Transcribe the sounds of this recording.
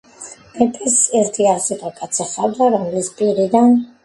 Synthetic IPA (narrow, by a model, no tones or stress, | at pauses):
b̥ɛpʼisɛɾt̪ʰiasiq̪ʼɔkʼat̪sʰɛχad̪aɾɔmlispʼiɾid̪an